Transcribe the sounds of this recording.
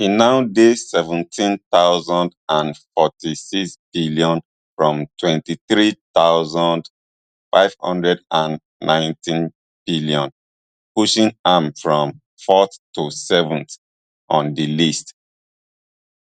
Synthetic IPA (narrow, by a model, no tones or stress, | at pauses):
hinaʊdesɛvɛ̃ntʰĩntaʊzɔ̃ndãnfɔtisiksb̥iliɔ̃n | fɹɔ̃mtʰwɛ̃ntiθɹitaʊzɔ̃nd | fa̰ɪv̥hʌ̰̃ndɹɛdãnː | ʔãɪ̃ntĩn | b̥ilijɔ̃n | puʃĩŋãmfɹɔ̃m | fɔθusɛvɔ̃nθ | ʔɔ̃ndilist